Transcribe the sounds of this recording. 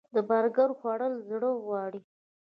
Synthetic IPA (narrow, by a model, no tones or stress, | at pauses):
d̪əbaɾɡaɾxwɑɽəlzɽəɣwɑɽi